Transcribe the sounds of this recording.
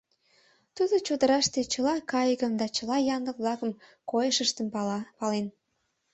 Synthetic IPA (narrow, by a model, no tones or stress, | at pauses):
t̪ud̪ot͡ɕod̪əɾɑʃt̪et͡ɕəlɑkɑjɣəmd̪ɑt͡ɕəlɑjɑnd̪əkβlɑkəmkojəʃəʃt̪əmpɑlen